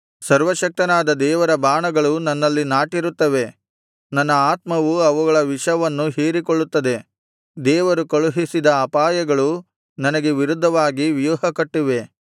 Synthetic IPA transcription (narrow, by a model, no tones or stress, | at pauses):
sɐɾʋɐʃɐk̚t̪ɐnaːd̪ɐd̪ɛːʋɐɾɐbaːɳɐɡɐɭunɐnːɐlːinaːʈiɾut̪ːɐʋe̞ | nɐnːɐaːt̪mɐʋuɐʋuɡɐɭɐʋiʂɐʋɐnːuɦeːɾikoɭːut̪ːɐd̪e̞ | d̪ɛːʋɐɾukoɭuɦisid̪ɐːpaːjɐɡɐɭu | nɐnɐɡeʋiɾud̪ʱːɐʋaːɡiʋjuːɦɐkɐʈːiʋe̞